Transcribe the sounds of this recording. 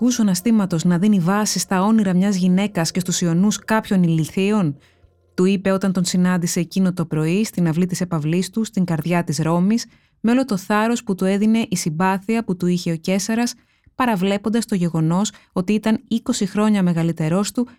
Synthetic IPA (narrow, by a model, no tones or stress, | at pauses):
kusoɐnɐst̪imɐt̪o̞znɐðinivɐsist̪ɐo̞niɾɐmɲɐzʝine̞kɐsce̞st̪usio̞nuskɐpço̞niliθio̞n | t̪uipe̞o̞t̪ɐnt̪o̞nsinɐnd̪ise̞ːcino̞t̪o̞pɾo̞ist̪inɐvlit̪ise̞pɐvlist̪ust̪iŋɡɐɾðʝɐt̪izɾo̞mis | me̞o̞lo̞t̪o̞θɐɾo̞sput̪ue̞ðine̞ʔisimbɐθiɐput̪uiçe̞o̞ce̞sɐɾɐs | pɐɾɐvle̞po̞nd̪ɐst̪o̞ʝe̞ɣo̞no̞so̞t̪iit̪ɐniko̞sixɾo̞ɲɐme̞ɣɐlit̪e̞ɾo̞st̪u